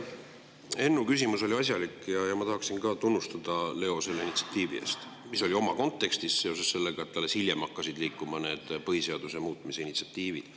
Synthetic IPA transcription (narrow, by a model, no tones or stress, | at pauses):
e̞nːukysʲimuso̞lʲiɑs̬ʲjɑlikːˑjɑjɑmɑt̪ɑɦɑksinkɑːt̪unːust̪ɑd̪̥ɑle̞o̞se̞lːeinit̪si̥ɑ̥t̪ːˑiːvḭe̞̰st̪ | miso̞lʲio̞mɑko̞nt̪ːˑe̞kst̪isse̞o̞se̞sːe̞lːe̞ɡ̥ɑet̪t̪ːɑlːe̞shilʲjemhɑkːɑsid̪̥liːkːˑumɑne̞ːd̪̥pɤɦise̞ɑd̪̥use̞muːt̪ːˑmiseinit̪siɑt̪ˑːiːvid̪̥